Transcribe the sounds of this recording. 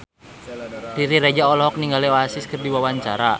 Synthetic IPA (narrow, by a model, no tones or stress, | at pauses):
riɾiɾed͡ʒaɔlɔɦɔk̚niŋɡalioasɪskərdiwawaɲt͡ʃaɾa